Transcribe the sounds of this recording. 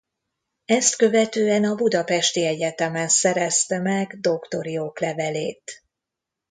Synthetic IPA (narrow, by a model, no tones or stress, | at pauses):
ɛst̪kø̞vɛt̪øːɛnɒbud̪ɒpɛʃt̪iɛɟɛt̪ɛmɛnsɛɾɛst̪ɛmɛɡd̪o̞kt̪o̞ɾioklɛvɛleːt̪